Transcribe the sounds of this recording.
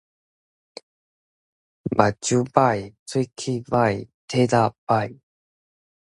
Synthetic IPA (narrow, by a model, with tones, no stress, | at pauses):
ma̰˨˩t͡ɕu˦pa˥˩˨jt͡sʰwi˥kʰi˦˥ba˥˩jt̪ʰe˦da˥˧˨pa˥˩j